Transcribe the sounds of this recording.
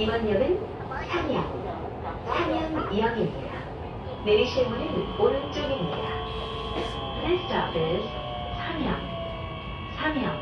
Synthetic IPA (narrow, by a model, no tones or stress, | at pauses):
imʌɲːʌɡɯn | sʰamjʌŋ | sʰamjʌŋiɦaŋimɲida | neiɕʰimunɯnoɾɯnt͡ɕ͈oɡimɲida | ɾest͈ʰabɯɭ | sʰamjʌŋ | sʰamjʌŋ